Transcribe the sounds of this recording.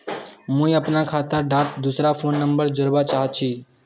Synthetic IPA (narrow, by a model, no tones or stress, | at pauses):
mũĩəpnakʰaːt̪əɾɖaːʈd̪usɾapʰoːnːəmbəɾd͡ʒəɾbat͡ʃaːɦtt͡ʃʰiː